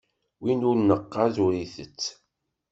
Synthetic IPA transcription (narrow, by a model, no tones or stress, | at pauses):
winʊɾnəqːɑðuɾiθət͡sː